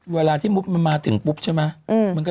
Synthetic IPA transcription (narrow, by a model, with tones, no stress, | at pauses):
waː˧˩laː˧˩t̪ʰiː˨˦mu˦˥p̚ma˧˩nmaː˧t̪ʰɨ˨˩˦ŋpu˦˥p̚t͡ɕʰɔ˨˧˦maː˧˩ʔmː˧˨˩ŋkɔ˦